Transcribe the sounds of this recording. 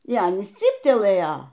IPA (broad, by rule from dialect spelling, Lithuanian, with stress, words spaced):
iː ˈɑːnʲiːs ˈt͡sʲiːpʲtʲɛlˠɘjɛ